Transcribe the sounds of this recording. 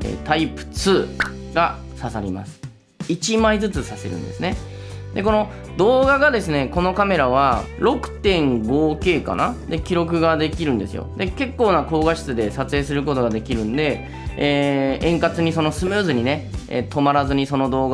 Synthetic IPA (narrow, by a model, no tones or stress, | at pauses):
ḛːt̪aipɯ̟̥t͡sɨːɡasasaɾʲima̰sɨ̥ | it͡ɕimaid͡zɨt͡sɨsase̞̰ɾɯ̟̰̃nd̪e̞sɨne̞ | d̪e̞ko̞no̞ | d̪o̞ːɡaɡad̪e̞sɨne̞ko̞no̞kame̞ɾaβ̞aɾo̞kɯ̟̥t̪ẽ̞ŋɡo̞ːke̞ːka̰na̰d̪e̞kʲiɾo̞k̬ɯ̟ɡad̪e̞kʲiɾɯ̟nd̪e̞sɨjo̰d̪e̞ke̞kːo̞ːnako̞ːɡaɕi̥t͡sɨd̪e̞sat͡sɨe̞ːsɨɾɯ̟ko̞t̪o̞ɡad̪e̞kʲiɾɯ̟̃nd̪e̞ | eːẽ̞ŋkat͡sɨɲ̟iso̞no̞sɨmɯːzɨɲ̟ine̞ḛt̪o̞maɾazɨɲ̟iso̞no̞d̪o̞ːɡ